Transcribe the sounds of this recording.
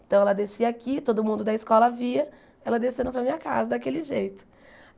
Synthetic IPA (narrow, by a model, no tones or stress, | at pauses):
ẽt̪ɐ̃w̃ɛlɐd̪esiɐakit̪od̪ʊmũnd̪ʊd̪ɐiskɔlɐviɐ | ɛlɐd̪esẽnʊpɾɐmĩɲɐka̰zɐd̪akelɪʒejt̪ʊ̥